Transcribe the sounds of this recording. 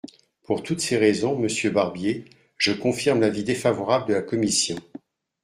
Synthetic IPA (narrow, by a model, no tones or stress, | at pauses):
puʁt̪ut̪seʁɛzɔ̃məsjøbaʁbje | ʒ̥əkɔ̃fiʁmlavid̪efavɔʁabld̪əlakɔmisjɔ̃